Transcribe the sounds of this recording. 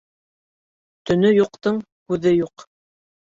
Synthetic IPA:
t̪ɵ̆nɵjuqt̪ɤɴ | hʉðɘjuq

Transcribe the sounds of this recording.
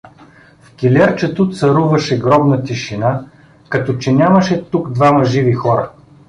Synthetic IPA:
fkʲilʲɛɾt͡ʃət̪ut̪sɐɾuvɐʃɛɡɾɔbnɐt̪iʃina | kɐt̪ɔt͡ʃɛnʲamɐʃɛt̪ukd̪vamɐʒivixɔɾɐ̰

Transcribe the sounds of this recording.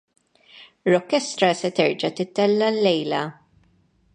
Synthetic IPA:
ɾɔkːɛst̪ɾɐsɛt̪ɛɾd͡ʒɐt̪ɪt̪ːɛlːɐlːɛjlɐ

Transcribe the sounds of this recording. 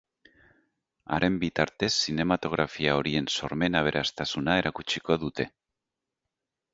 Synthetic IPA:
a̰ɾʔe̞mbit̪aɾt̪e̞sːine̞mat̪o̞ɣɾafiao̞ɾie̞nso̞ɾme̞naβ̞e̞ɾʔast̪asunae̞ɾʔakut͡ʃiko̞ðut̪e̞

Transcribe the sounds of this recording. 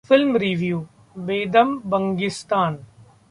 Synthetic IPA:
fɪlmɾiːʋjuː | beːd̪əmbə̃ŋɡɪst̪aːn

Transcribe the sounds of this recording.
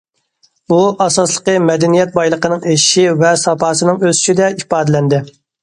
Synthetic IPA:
buʔɑsɑslˠəqəmɛd̪ɛnijɛt̪̚bɑjlˠəqənɨŋeʃʃivɛsɑpɑːsɨnɨŋøzy̥t͡ʃid̪ɛipɑːd̪ɪlɛnd̪ɪ

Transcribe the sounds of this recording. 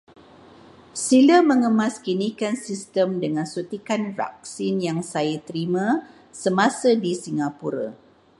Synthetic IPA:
siləmə̃ŋəmãskinikansist̪əmdəŋãnsut̪ikanra̰k̚sinjaŋsajat̪əɾimã | səmãsədisiŋapuɾa̰

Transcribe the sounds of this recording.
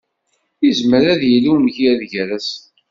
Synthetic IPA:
izməɾæðjəlːiwnʝiæðʝɾæs

